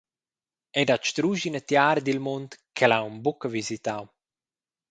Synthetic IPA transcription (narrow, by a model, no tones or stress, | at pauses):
ɛd̪at͡ʃt̪ɾuːʒinət̪jaːɾd̪ilmont̪kɛlawmbukəvizit̪aw